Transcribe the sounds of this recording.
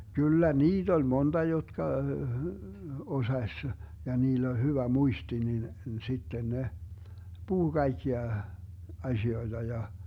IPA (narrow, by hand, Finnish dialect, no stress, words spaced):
kylːæ niːt olʲ montɑ jotkɑ osɑsʲ jɑ niːlː olʲ hyʋæ muisti nin sitːen ne puhu kɑikːiɑ ɑzioid̥ɑ jɑ